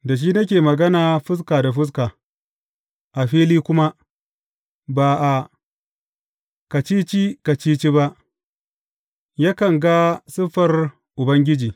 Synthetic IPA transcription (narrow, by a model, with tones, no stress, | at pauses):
da˨ʃ̬iː˦nɐ˦k̬ʲeː˨mɐ˨ɡɐ˦naː˨ɸɪ˦s̬kaː˨da˨ɸɪ˦s̬kaː˨ | ʔa˨ɸiː˦liː˦kʷʊ˦ma˦ | baː˨ʔa˨ | ka˨t͡ʃiː˦t͡ʃi˦ka˨t͡ʃiː˦t͡ʃi˦ba˦ʔ | jaː˦kɐ˨ŋɡa˦sɪ˦ɸɐ˨r | ʔʊ˨bɐ˦ŋɡʲɪ˦d͡ʒiː˨